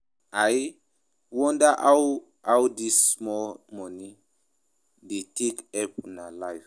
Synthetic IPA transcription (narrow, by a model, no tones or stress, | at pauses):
aj | wɔ̃ndaʔaw | awdismɔlmɔni | detʰekɛpɔ̃nalajf